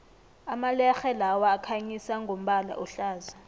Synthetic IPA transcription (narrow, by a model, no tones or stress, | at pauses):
amalɛxɛlawaːkʰaɲisaŋɡʱom̩ɓala̰ʔɔɬaːza